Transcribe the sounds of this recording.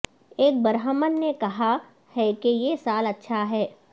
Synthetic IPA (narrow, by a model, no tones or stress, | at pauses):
eːk̚bɐɾɦəmənːekɐɦa | hɛkejesaːlɐtːʃʰaɦɛː